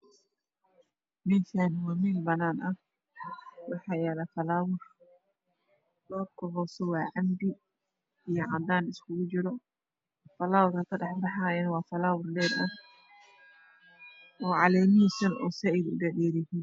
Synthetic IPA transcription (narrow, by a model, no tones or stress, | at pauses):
mɪnkʰanwɔmiːnbɐnaːnʔɐh | wɑħɑːjɛːlɐfɐlaːwʊr | lɔːd̪kʰʊɦɔːsɔwɑːʕɑmd̪ɪ | ijɔʕɑd̪aːnɪskʰʊɣʊt͡ʃɪɾɔ | fɐlaːwʊrkʰɐkʰɐɖɑħbɑħaːjɛnɐwɑːfɐlaːwʊrlɛːɾɐ | ʔɔːʕɑlɛːmɪiːsɐnɔ̰ːsɛɛðʊɖɛɖɛːɾɛhiːn